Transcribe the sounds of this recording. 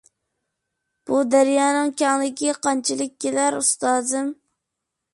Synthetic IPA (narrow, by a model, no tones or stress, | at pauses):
b̥ud̪æɾjɑːnɨŋkʲɑŋlˠɪkʲiqɑnt͡ʃʰɪlˠɪk̚ʲːelæɾust̪ɑːzɨm